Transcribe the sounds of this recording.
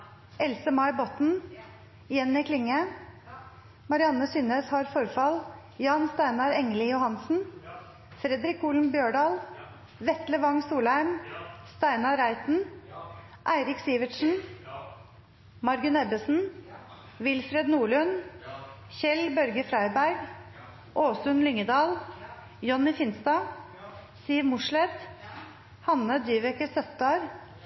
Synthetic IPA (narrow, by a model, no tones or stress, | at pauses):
ʔɛlsəmɑɪbɔt̪n̩ | jɛnːɪkʰlɪŋə | mɑɾɪɑnəsʏnəshɑɾfɔɾfɑl | jɑːnst̪æɪnɑɾɛŋəlɪjʊhɑnsn̩ | fɾɛd̪ɾɪkuːlnbjøːɖɑːl | ʋɛt̪ləʋɑŋsuːlæɪmst̪æɪnɑɾæɪt̪n̩ | ʔæɪɾɪksiːʋəʈʂn̩ | mɑɾɡʉnɛbəsn̩ | ʋɪlfɾɛd̪nuːɭʉn | çɛlbœɾɡəfɾæɪbæɾɡ | ʔoːsʉnlʏŋəd̪ɑːl | jɔnːɪfɪnst̪ɑ | siːʋmʊʂlɛt̪ | hɑnəd̪yːʋɛkəsœt̪ɑːɾ